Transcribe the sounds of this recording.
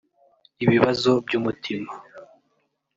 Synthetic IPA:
iβiβazo̞bɟuːmutʰima

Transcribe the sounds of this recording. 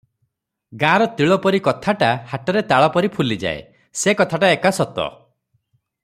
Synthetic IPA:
ɡãɾɔt̪iɭɔpɔɾikɔt̪ʰaʈahaʈɔɾet̪aɭɔpɔɾipʰulid͡ʒa̰ḛ | sekɔt̪ʰaʈaekasɔt̪ɔ̰

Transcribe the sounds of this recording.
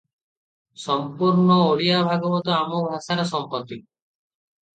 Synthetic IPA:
sɔmpuɾnɔoɽiabʱaɡɔbɔt̪ɔamɔbʱaʃaɾesɔmpɔt̪i

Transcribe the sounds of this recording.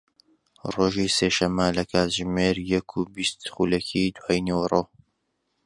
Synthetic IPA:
roːʒiseːʃɐmːəlɐkʰaːt̪ʒmeːɾjɛkʰubist̪χulɛkʰid̪wajnewrˤoː

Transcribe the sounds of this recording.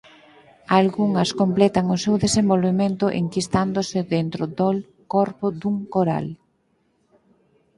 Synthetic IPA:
alɣuŋɐskomplɛt̪ɐŋosewðesembolβemẽnt̪ʊʔḛŋkist̪and̪osɪðent̪ɾʊd̪ol | kɔɾpʊd̪uŋkoɾa̰l

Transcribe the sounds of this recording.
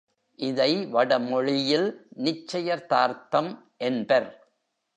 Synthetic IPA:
ʔɪðɐɪʋɐɽɐmɔɻɪjɪlnɪt͡ʃːɐjɐɾt̪aːɾt̪ɐm | ʔɛnbɐɾ

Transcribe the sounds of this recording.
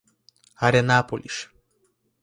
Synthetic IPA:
aɾʲenapolʲiʃ

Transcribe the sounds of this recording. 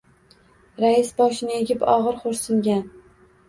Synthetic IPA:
ɾaɪsbɒʃɪnɪeɡʲɪpɒʁɨɾχoɾsɪŋɡʲan

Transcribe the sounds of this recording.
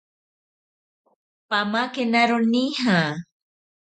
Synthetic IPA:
pamakenaɾuniɦa

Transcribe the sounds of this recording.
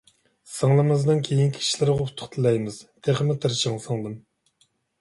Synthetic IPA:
sɑŋlˠɨmɨznɨŋkʲʰejinkʲʰii̥ʃlɪɾʁɑut̪ʰːʊ̥χt̪ʰɨlɛjmɪz̥t̪ʰeχmɪt̪ʰɨɾt͡ʃʰɑŋsɑŋlˠɨm

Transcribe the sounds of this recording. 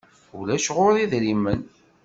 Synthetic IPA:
ulæʃʁoɾˤiðɾimːən

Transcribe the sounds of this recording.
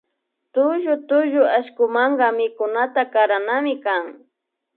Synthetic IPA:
t̪ʊʒʊt̪ʊʒʊaʃkʊmaɴɢɑmɪkʊnat̪akaɾanamɪkaŋ

